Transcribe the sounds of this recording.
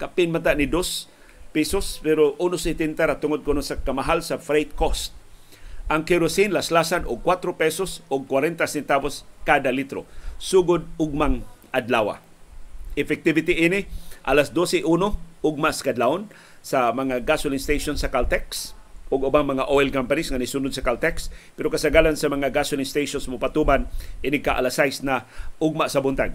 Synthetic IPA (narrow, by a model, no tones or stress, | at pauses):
kapɪnmat̪aʔnɪd̪os | pisospɛɾoʔunosɪt̪ɪnt̪aɾat̪ʊŋod̪̚kʊnosakamaɦalsafɾejt̪̚kost̪̚ | ʔaŋkɪɾosɪnlaslasanʊɡ̚kːwat̪ɾopɛsosʊɡ̚kwaɾɛnt̪asɛnt̪aboskad̪alit̪ɾo̰suɡʊd̪̚ʊɡ̚maŋʔad̪lawa̰ | ɪfɛk̚t̪ɪvɪt̪ɪʔinɪʔalasd̪osɛʔunoʊɡ̚maʔsḁkad̪laʊn | samaŋaɡasʊlɪŋst̪ejʃonsakalt̪ɛksʊɡʊbaŋmɐŋaʔoɪlkampanɪsŋanisuːnʊd̪̚sakalt̪ɛkspɛɾokasaɡalansamaŋaɡasʊliŋst̪ejʃonsmʊpat̪umanʔinɪkaʔa̰lasajsnaʊɡ̚maʔsabʊnt̪aɡ̚